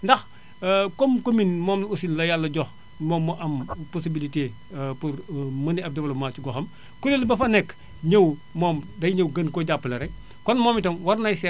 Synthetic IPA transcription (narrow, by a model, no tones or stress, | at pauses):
ndɐx | komkominmɔːmlusilːɐjalːɐɟɔx | mɔːmːuʔɐmposibilite | puɾmɐniɐp̚dɐwɐlɐmaːt͡ʃuɡɔxɐm | kuɾelbɐfɐnɛk | ɲəwmɔːmdɐjɲəwɡɐnkɔɟapːlɐɾɛ | kɔnmoːmitɐnwɐɾnɐjsɛ